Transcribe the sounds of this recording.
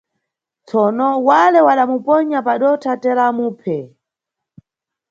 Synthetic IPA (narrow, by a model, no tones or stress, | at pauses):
t͡sɔnɔwalɛwaɗamupɔɲapaɗɔtʰatɛlamuːpʰɛ